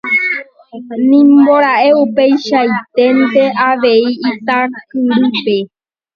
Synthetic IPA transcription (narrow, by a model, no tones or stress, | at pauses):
nĩmbo̞ɾaʔe̞upejʃajt̪e̞nt̪e̞ʔaʋe̞iːt̪aɾkɨ̃nɾɨpe̞